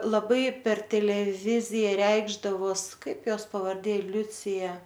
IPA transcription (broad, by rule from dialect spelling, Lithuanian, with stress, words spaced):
lˠɐˈbɐɪ pʲɛr tʲɛlʲɛˈʋʲɪzʲɪjɛ ˈrʲɛɪɡʒdɐʋoːs ˈkɐɪp ˈjoːs pɐʋɐrʲˈdʲeː ˈlʲʊt͡sʲɪjɛ